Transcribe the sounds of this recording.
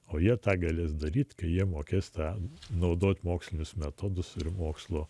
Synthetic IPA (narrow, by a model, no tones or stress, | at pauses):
oːjiɛt̪ɑːɡɐlʲeːsd̪ɐɾʲiːt̪ʲkɐɪjiɛmoːkʲeːst̪ɑːnɐʊd̪oːt̪ʲmoːksʲlʲɪnʲʊsmʲɛt̪oːd̪ʊsɪɾmoːkslˠoː